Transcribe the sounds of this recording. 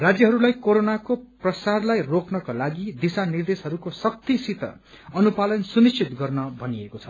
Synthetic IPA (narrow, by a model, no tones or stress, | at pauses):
rad͡zjʌɦʌɾulajkoɾonakoprʌsarlajroknʌkolaɡid̪isanird̪esɦʌɾukosʌk̚t̪isit̪ʌ̰ | ʌnupalʌnsunist͡ʃʰit̪ɡʌrnʌbʱʌniekot͡sʰʌ̥